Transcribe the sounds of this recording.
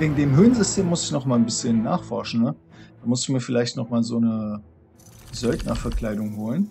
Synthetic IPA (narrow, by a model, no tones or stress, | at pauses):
veːɡŋ̩deːmɦøːnzʏstʰeːmːʊsɪçnɔχmaːlnbɪsçənːaːχfɔɐʃn̩nəd̥aːmʊstɪ̥çmiːɐfɪlaɪçtnɔχmaːlzoːnə | zœltnɐfɛɐkl̥aɪdʊŋɦoːlən